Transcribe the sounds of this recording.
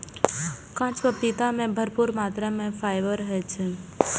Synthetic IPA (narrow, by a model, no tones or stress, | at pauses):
kãt͡ʃʋəpit̪amẽbʱəɾpuɾmat̪ɾamɛ̃fajʋəɾɦɛt͡ʃʰe